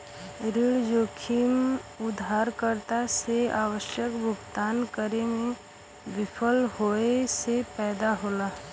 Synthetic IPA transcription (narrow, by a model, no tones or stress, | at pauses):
ɾɪɭd͡ʒoːkʰimʊd̪ʱaːɾkəɾt̪aseaːʋəʃjəkbʱʊɡt̪aːnkəɾemẽ | ʋɪpʰəlɦoːesepɛːd̪aɦoːlaː